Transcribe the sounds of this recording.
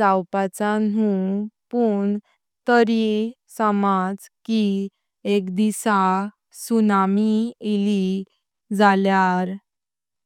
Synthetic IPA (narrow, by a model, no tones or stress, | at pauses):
awpat͡san̤ũpuːɳ | t̪əɾi | səmad͡zki | ekd̪isa | sunamieli | d͡zaljaɾ